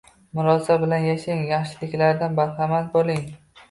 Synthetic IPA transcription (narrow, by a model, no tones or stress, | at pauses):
mʊɾɒsabɪlanjaʃɪŋjɑχʃɪlɪkʲlaɾd̪anbaɾχamat̪̚bolɪŋ